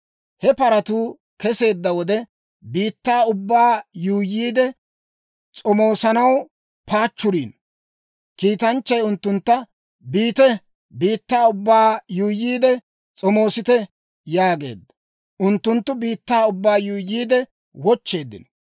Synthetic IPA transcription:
hɛpɐɾɐt̪uː | kɛse̞ːd̪ːɐwɔd̪ɛ | biːt̪ːaːʊbːaːjuːjːiːd̪ɛ | t͡sʼɔmo̞ːsɐnɐw | paːt͡ʃːʊɾiːn | kiːt̪ɐnt͡ʃːɐjʊnt̪ːʊnt̪ːɐ | biːt̪ɛ | biːt̪ːaːʊbːaːjuːjiːd̪ɛ | t͡sʼɔmo̞ːsɪt̪ɛ | jaːɡe̞̰ːd̪ːɐ̥ | ʔʊnt̪ːʊnt̪ːʊbiːt̪ːaːʊbːaːjuːjːiːd̪ɛ | wɔt͡ʃːe̞ːd̪ːɪ̰n

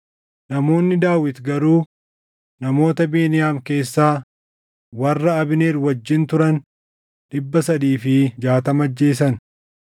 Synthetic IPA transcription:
nɐmo̞ːnːɪd̪aːwɪt̪ɡɐɾuː | nɐmo̞ːt̪ɐbeːnɪjaːmke̞ːsːaː | wɐrːɐɐbɪneːɾwɐd͡ʒːɪnt̪ʊɾɐn | ᶑɪbːɐsɐd̪iːfɪd͡ʒaːt̪ɐmɐd͡ʒːe̞ːs̬ɐn

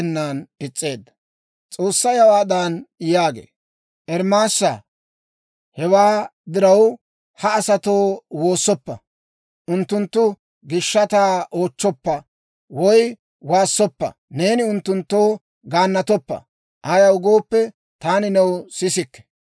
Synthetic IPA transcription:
nːaːnɪt͡sʼːe̞ːd̪ːɐ | t͡sʼo̞ːsːɐjɐwaːd̪aːnjaːɡḛː | ʔɛɾmaːsːɐ | hɛwaːd̪ɪɾɐw | hɐːsɐt̪o̞ːwo̞ːsːɔpːɐ̰ | ʔʊnt̪ːʊnt̪ːʊ | ɡɪʃːɐt̪aːʔo̞ːt͡ʃːɔpːɐ | wɔj | waːsːɔpːɐ̰ne̞ːnɪʊnt̪ːʊnt̪ːo̞ː | ɡaːnːɐt̪ɔpːɐ̰ | ʔaːjɐʊɡo̞ːpːɛ | t̪aːnɪnɛwsɪsɪkːɛ̥

